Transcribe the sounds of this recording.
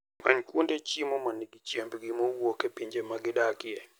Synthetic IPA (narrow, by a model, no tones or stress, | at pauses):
aɲkwondet͡ʃimɔmaniɡit͡ʃjɛmbɡimɔwokepiɲd͡ʒemaɡɪɗakɪɛ